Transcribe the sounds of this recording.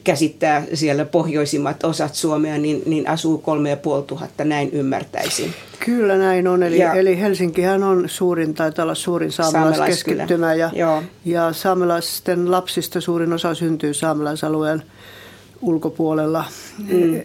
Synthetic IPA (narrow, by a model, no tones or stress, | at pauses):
kæsit̪ːæːsielæpohjoisimːɑt̪osɑt̪suomeɑninninʔɑsuːkolmejɑpuolt̪uhɑ̰t̪ːɑnæinymːæ̰rt̪æ̰isḭn | kylːænæinonelielihelsiŋkihænonsuːrint̪ɑit̪ɑlːɑssuːrinsɑːmelɑskeskiːymæjɑjoːjɑsɑːmelɑssi̥t̪ːenlɑpsist̪ɑsuːrinosɑsynt̪yːsɑːmelɑsɑlueːˑn | ulkopuolelːɑ